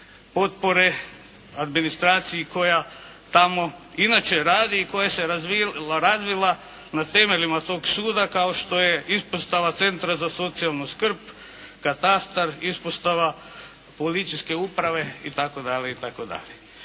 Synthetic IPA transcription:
po̞t̪po̞ɾe̞ | ad̪minist̪ɾaːt̪sijiko̞ja | t̪amo̞inat͡ʃe̞ɾaːd̪iːko̞jase̞ɾaiɾazʋilˠa | nat̪e̞me̞limat̪o̞ːɡsuːd̪akao̞ʃt̪o̞jeispost̪aʋat̪se̞nt̪ɾazaso̞t̪sialˠnuskr̩p | kat̪ast̪aɾispost̪aʋa | polit̪sijske̞upɾaʋe̞it̪ako̞d̪aʎʲeit̪akod̪a̰le

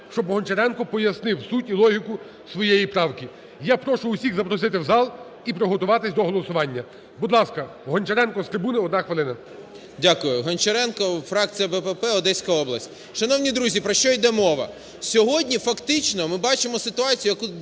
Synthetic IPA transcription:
ʃt͡ʃɔbɦɔnʲt͡ʃɐɾɛnkɔpɔjɐsnɪwsutʲilˠɔɦʲikʊ | sʋɔjejipɾɑwkʲi | japɾɔʃʊːsʲiɣzɐpɾɔsɪt̪ɪwzɑlˠ | ipɾɔɦɔt̪ʊʋɑt̪ɪsʲd̪ɔɦɔlˠɔsʊʋɑnʲːɐ | bud̪lˠɑskɐ | ɦɔnʲt͡ʃeɾɛnkɔst̪ɾɪbunɪɔd̪nɑxʋɪlˠɪnɐ | dʲakʊjʊɦɔnt͡ʃɐɾɛnkɔfɾɑkt͡sʲijɐbɛpɛpɛɔd̪ɛsʲkɐɔblˠɐsʲtʲ | ʃɐnɔwnʲid̪ɾuzʲipɾɔʃt͡ʃɔjd̪ɛmɔʋɐ̰ | sʲɔɦɔdʲnʲifɐkt̪ɪt͡ʃnɔmɪbɑt͡ʃɪmɔsɪt̪ʊɑt͡sʲijʊjɐku

